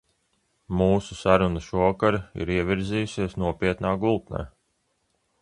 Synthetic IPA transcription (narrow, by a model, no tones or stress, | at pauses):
muːsusaɾunuʃuɔkaɾḭɾiɛvʲiɾzijusiɛsnuɔpiɛt̪naːɡulˠt̪nɛ̰ː